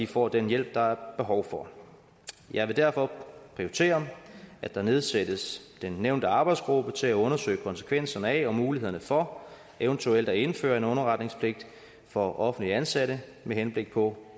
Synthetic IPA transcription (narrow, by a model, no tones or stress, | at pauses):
ifɒ̰ːd̥enjel̰b̥̚d̥ɑ̈æɐb̥e̝ɦɒʊfɒ̽ | jɑ̈ɪʋe̝d̥æɐfɒ̽pʰʁioɪt͡sʰe̝̰ːɐʔæd̥ɑ̈ne̝ð̞ˠsed̥əsd̥enːeʊnd̥əɑ̈ːb̥ɑ̈ɪd̥sɡ̥ʁub̥ət͡sʰe̝læɔ̽nɐsø̰ːɪkʰɒ̽nsə̥kʰʋen̰sɐnəæɒ̽muːlihe̝̰ɐnəfɒ̽ | eʊnt͡sʰuel̰d̥æe̝nfø̰ːɐe̝nɔ̽nɐʁɑ̈d̥ne̝ŋspʰle̝ɡ̥̚d̥ | fɒ̽ʔɒ̽fn̩d̥liænsæɾ̥ə | meɦenb̥le̝ɡ̥̚pʰɒ̽